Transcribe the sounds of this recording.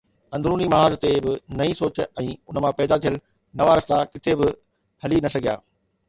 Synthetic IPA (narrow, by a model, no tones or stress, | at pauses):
ɐ̃nd̪ɾuːnimɐɦaːzt̪ebɪnɐĩsoːt͡ɕɛ̃ːʊnəmãpɛːd̪at̪ʰijəl | nɐʋaːɾəst̪akɪt̪ʰebɪ | hɐlinɐsɐɡʱija̰ː